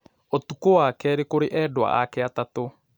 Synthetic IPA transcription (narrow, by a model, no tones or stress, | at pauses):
otukowakɛɾekoɾeʔɛdwa̰ʔakɛatato